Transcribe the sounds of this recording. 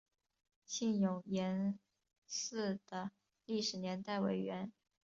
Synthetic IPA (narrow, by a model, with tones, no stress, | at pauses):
ɕi˥˩njʊ˨˩ŋjɛ˧˥n | sɹ̩˥˩d̪̥ə˩ | li˥˩ʂɻ̩˨˩njɛ˧˥nt̪a˥˩ɪwe˧˥ɪɥɛ˧˥n